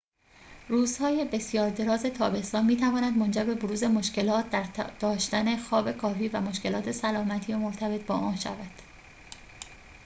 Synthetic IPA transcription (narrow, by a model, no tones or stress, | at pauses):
ruːz̥hɒːje̞be̞sjɒːɾd̪e̞ɾɒːze̞t̪ʰɒːbest̪ɒːnmiːt̪ʰævɒːnæd̪mo̞nd͡ʒæɾbe̞boɾuːze̞mo̞ʃce̞lɒːt̪̚d̪æɾd̪̥ɒːʃt̪æne̞xɒːbe̞kʰɒːfiːvæmo̞ʃce̞lɒːt̪ʰe̞sælɒːmæt̪ʰiːjemoɾt̪ʰæbe̞t̪̚ʰbɒ̰ːʔɒːnʃæ̰væd̪̥